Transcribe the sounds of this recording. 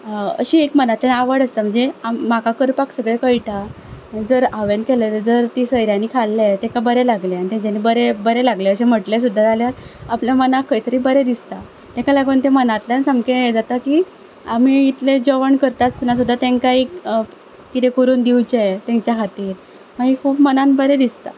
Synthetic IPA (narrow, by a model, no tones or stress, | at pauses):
ə̰ɕiekmənat̪lanaʋəɽəst̪am̤əɳd͡zeamːakakəɾpaksəɡɭekəɭʈa | d͡zəɾaʋenkelet̪əd͡zəɾt̪isəjɾjaniːkʰalːet̪ẽkabəɾelaɡleanit̪ẽt͡ɕaniːbəɾebəɾelaɡleəɕem̤əʈles̬ud̪ʱːad͡zaljaɾapljamənakʰːəit̪əɾiːbəɾed̪ist̪a | t̪ẽkalaɡuːnt̪ẽmənat̪ljansəmked͡zat̪akiː | am̤iːt̪led͡ʑoʋəɳkəɾt̪at͡st̪ʰinas̬ud̪ʱːat̪eŋkaiː | kit̪ekuɾuːnd̪iwt͡ɕeet̪ẽɲt͡ɕjakat̪iːɾ | maɡikʰuːbmənãnbəɾed̪ist̪a̰